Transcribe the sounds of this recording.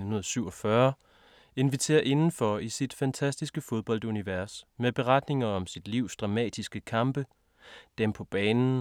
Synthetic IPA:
hunð̩ˠsyʊɒ̽fɶɐ | e̝nʋit͡sʰe̝̰ːɐʔe̝nn̩fɒisid̥fænt͡sʰæsd̥isɡ̥əfo̝ðˠb̥ɒ̽l̰d̥uniʋæɐsmeb̥e̝ʁɑd̥ne̝ŋɐɒ̽msid̥liʊ̰sd̥ʁɑ̈mɛ̰ːd̥isɡ̥əkʰɑ̈mb̥ə | d̥empʰɒ̽b̥ɛːnn̩

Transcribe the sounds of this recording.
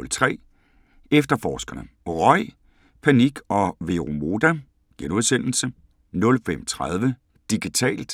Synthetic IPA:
lt͡sʰʁɛ̰ː | efd̥ɐfɒːsɡ̥ɐnəʁɒ̽ɪ̰ | pʰæniɡ̥ɒ̽ʋe̝ʁomo̝ːd̥æ | ɡ̥enuðˠsen̰l̩sə | nɔ̽lfem̰t͡sʰʁað̞ˠʋə | d̥iɡ̥it͡sʰɛ̰ːld̥

